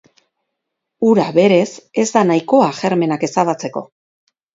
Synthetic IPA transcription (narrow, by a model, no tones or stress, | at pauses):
uɾaβe̞ɾe̞se̞zd̪anajko̞aʝe̞ɾme̞nake̞saβat͡se̞ko̞̰